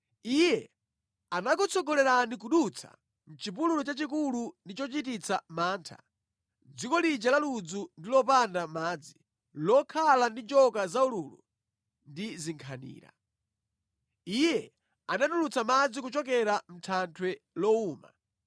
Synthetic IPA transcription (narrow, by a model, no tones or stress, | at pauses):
ijɛ | anak̬ut͡sɔɡɔlɛɾanik̬uɗut͡sʰa̰ | m̩t͡ʃip̬ululut͡ʃat͡ʃik̬ulundit͡ʃɔt͡ʃitit͡sʰamaːntʰa̰ | d͡zikɔlid͡ʒalalud͡zundilɔpandamaːd͡zi | lɔkʰalandit͡ʃɔkazauluːlṵ | ndiziŋkʰanḭːɾa̰ | ijɛ | anaɗulut͡samad͡zik̬ut͡ʃɔk̬ɛɾam̩tʰantʰwɛlɔuːma̰